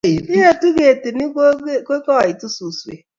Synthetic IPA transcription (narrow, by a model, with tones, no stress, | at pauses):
i˨i˦e˦tu˦ɣe˨te˨ni˦ke˦kɔ˦˨i˨tu˦su˨su˨ḛ˨